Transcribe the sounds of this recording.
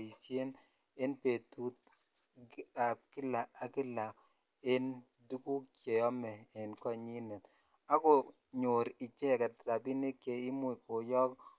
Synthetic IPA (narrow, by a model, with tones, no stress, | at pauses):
i˨sje˦n | e˦npe˨tu˦t̚ | a˨p̚ki˦la˨a˨kɪ˦la˨ | e˦n | du˦ku˦k̚t͡ʃe˨ɔ˦mɛ˨e˨nkɔ˦ɲi˦nɛ˨t | a˦ko˨ | ɲo˨ɾi˨t͡ʃe˦˨kɛ˨tɾa˨bi˦ne˦kːe˨i˦mu˦i˨ko˨jɔ˦k